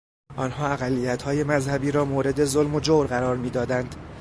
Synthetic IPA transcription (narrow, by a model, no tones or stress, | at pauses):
ʔɒːnhɒːæɣælːijæt̪hɒːje̞mæzhæbiːɾɒːmoːɾe̞d̪e̞zolmo̞d͡ʒoɾɣæɾɒːɾmiːd̪ɒːd̪ænd̪̥